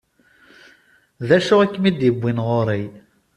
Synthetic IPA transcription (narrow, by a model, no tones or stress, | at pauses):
ðæʃʊʁækːmid̪jəbʷːinʁoɾˤij